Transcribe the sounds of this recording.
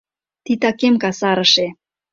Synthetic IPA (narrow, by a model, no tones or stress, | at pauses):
t̪it̪ɑkemkɑsɑɾəʃe